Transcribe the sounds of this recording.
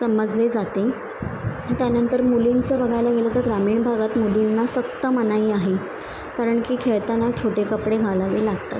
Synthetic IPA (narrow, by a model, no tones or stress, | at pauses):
səməd͡zled͡zat̪e | t̪janənt̪əɾmulint͡səbəɡʱajlaɡelət̪əɾɡɾamiːɳbʱaɡat̪mulinːasəkt̪əmənaiːaɦe | kaɾəɳkiːkʰeɭt̪anat͡ɕʰoʈekəpɽeɡʱalaʋelaɡt̪a̰t̪̚